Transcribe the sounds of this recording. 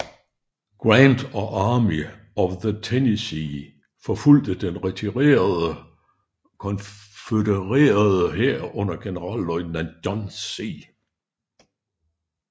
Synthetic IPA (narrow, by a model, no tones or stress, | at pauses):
ɡ̥ʁɑnd̥ɒ̽ʔɑ̈ːmi | ɒʋðət͡sʰenisi | fɒful̰d̥əd̥enʁɛt͡sʰiʁḛːɐðˠə | kʰɒ̽nfedəʁḛːɐðˠəheɐ̰ɔ̽n̰ɐɡ̥e̝nəʁɑ̰̈ːlːɒɪnænd̥ɒnssiː